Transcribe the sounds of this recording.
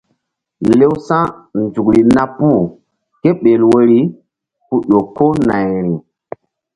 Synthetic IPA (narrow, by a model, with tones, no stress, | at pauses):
le˦wsã˦nd͡ʒu˨kɾi˨na˦pu˦˨ | ke˦ɓe˨lwo˨ɾi˦ | pu˦ɗo˨ko˦na˨jɾi˨